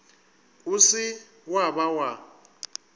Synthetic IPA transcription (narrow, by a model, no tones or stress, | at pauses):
usɪ | wabawa